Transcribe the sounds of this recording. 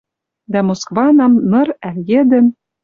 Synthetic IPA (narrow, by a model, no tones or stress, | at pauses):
d̪æmoskvɑnɑmnɤ̆ɾæljĕd̪ɘ̆n